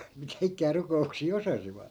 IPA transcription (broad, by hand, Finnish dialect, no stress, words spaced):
mitæ ikˑæː rukouksiː osɑsiʋɑt